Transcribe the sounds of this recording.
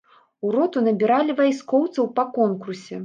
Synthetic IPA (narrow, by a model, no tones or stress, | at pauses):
uɾɔt̪unɐbʲiɾalʲivajskɔwt̪sɐwpɐkɔnkursʲɛ